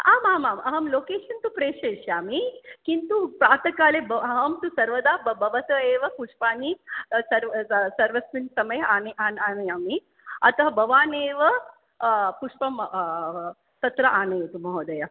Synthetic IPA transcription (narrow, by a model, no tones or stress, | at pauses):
aːmaːmaːmɐɦɐmloːkeːʂɐnt̪upɾeːʂeːʃjaːmikint̪upɾaːɾt̪ɐkaːlebɐɐɦɐmt̪usɐɾʋɐd̪aːbbɐʋɐt̪ɐeːʋɐpuʂpaːnisɐɾsɐɾʋɐsʋinsɐmɐjanʔaːnaːnɐjaːmi | ɐt̪ɐɦɐbɐʋaːneːʋɐ | puʂpɐm | t̪ɐt̪ɾɐʔaːnɐjt̪umɐɦoːd̪ɐja